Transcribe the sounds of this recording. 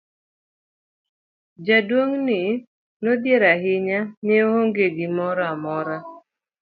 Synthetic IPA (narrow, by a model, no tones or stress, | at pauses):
d͡ʒadwoŋnɪ | nod̪jeɾaɦɪɲaneɦoŋɡeɡɪmɔɾɔamɔɾa